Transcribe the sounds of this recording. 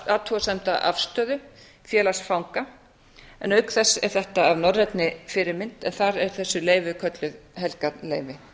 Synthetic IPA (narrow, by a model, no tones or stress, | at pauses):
at̪ʰuasɛjm̥t̪aʔa̰fst̪œːðʏ | fjɛːlasfawŋka | ɛnœɥkθɛsːɛ̰ɾ̥θɛht̪aavnɔɾːɛt̪nɪfɪɾɪɾmɪnt̪ɛnθaɾɛɾ̥θɛsːʏleːjvɪkʰœt̪lʏðɦɛlkat̪leːjvɪ